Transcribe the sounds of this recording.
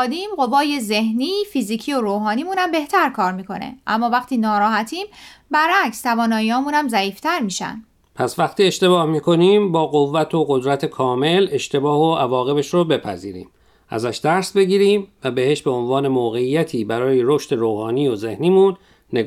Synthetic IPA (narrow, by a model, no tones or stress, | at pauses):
d̪iːmɢo̞vɒːje̞ze̞hniːfiːziːcʰiːo̞ɾoːɦɒːniːmunæmbe̞ht̪ʰæɾkʰɒːɾmiːkʰo̞̰nḛʔæmːɒːvæχt̪ʰiːnɒːɾɒːɦæt̪ʰiːmbæɾækst̪ʰævɒːnɒːjiɒːmuːnæmzæiːft̪ʰæɾmiːʃæ̰n | pʰæsvæxt̪iːe̞ʃt̪e̞βɒːhmiːkʰo̞niːmbɒːɣovːæt̪ʰoɣod̪ɾæt̪ʰekʰɒːme̞le̞ʃt̪e̞bɒːhoʔævɒːɣe̞beʃɾobe̞pʰæ̰zḭːɾḭːm | ʔæ̰zæʃd̪̥æɾsbe̞ɡiːɾiːmvæbe̞he̞ʃbe̞onvɒːne̞moːɣe̞ijæt̪ʰiːbæɾɒːjeɾoʃt̪e̞ɾoːhɒːniːozehniːmunː | e